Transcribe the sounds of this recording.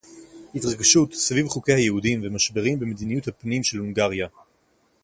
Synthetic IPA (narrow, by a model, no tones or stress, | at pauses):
hitʁaɡʃutsvivχukejhajehudimvemaʃbeʁimbemed̪inijuthapnimʃe̞lhuŋɡaʁja